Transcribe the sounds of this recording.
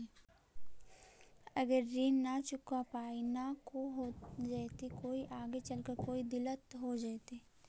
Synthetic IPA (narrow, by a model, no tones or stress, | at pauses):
ɐɡəɾːiːnːat͡ʃʊkapaːinakoɦod͡ʒat̪ikoːiʔaːɡet͡ʃɐlkəɾkoːid̪ɪlət̪ɦod͡ʒaːt̪eː